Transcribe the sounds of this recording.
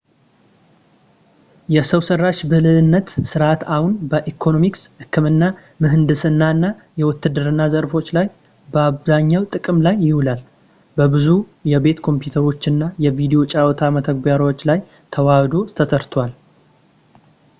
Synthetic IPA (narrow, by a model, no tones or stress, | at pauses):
jɛsəwsərːaʃbɨhlɨɨnːət̪sɨɾat̪ahunbəʔikʰo̞no̞mikshɨkʰːɨmɨnːa | mɨɦɨnd̪ɨsɨnːaɨnːa | jɛwɔt̪ːɨd̪ɨɾɨnːazəɾfo̞t͡ʃːlaj | bəaβzaɲːawt̪ʼɨkʼɨmlajːɪhʊlal | bəbɨzu | jɛbe̞t̪kʰo̞mpjut̪ʰəɾo̞t͡ʃːɨnːajɛvid̪ijo̞t͡ʃʼawɔt̪ʰamət̪ʰəɡ̚baɾot͡ʃːlaj | t̪ʰəwad̪ot̪ʰət̪ʰəɾt̪ʰwal